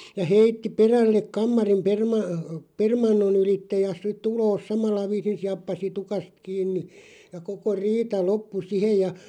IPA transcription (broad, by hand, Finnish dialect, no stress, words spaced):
jɑ heitːi perælːek̆ kɑmːɑrim permɑ permɑnːon ylitːe jɑ sit uloːs sɑmɑlːɑ ʋiːsin siɑpːɑs tukɑst kiːnːi jɑ koko riːtɑ lopːu sihej jɑ